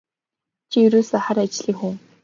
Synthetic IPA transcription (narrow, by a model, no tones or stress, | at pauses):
t͡ɕʰijɵɾoːsaχaɾat͡ɕɮiːŋxuŋ